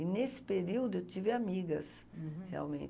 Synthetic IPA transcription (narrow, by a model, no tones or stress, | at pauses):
ɪnesɪ̥peɾiwd̪ʊewt̪ivɪamiɡɐs | hea̰wmẽt͡ʃ